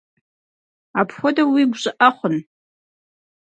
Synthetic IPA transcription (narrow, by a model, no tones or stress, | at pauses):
apʰχʷɔdawiɡʷʒʷʼaʔaχʷʊn